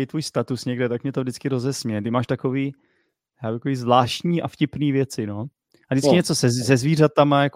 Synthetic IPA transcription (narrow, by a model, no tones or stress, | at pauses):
it̪vuːjst̪at̪usɲɛɡdɛt̪akmɲɛt̪ovdɪt͡skɪɾozɛsmɲɛdɪmaːʃt̪akoviː | jaːbut̪akoiːzvlaːʃtɲiːʔa̰fcɪpniːvjɛt͡sɪno | ʔadɪt͡skɪɲɛt͡sosɛzɛzviːrat̪amajak